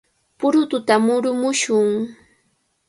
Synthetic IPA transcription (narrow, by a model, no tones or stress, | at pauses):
pʊɾʊt̪ʊt̪amʊɾʊmʊʃʊŋ